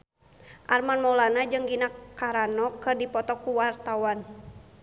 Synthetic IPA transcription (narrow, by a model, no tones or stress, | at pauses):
ʔarmanmɔlanad͡ʒɨŋɡinakaɾanɔkɨrdipɔt̪ɔkuwart̪awan